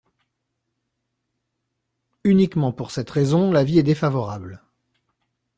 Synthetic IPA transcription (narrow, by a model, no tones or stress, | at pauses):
ynikmɑ̃puʁsɛt̪ʁezɔ̃laviɛd̪efavɔʁabl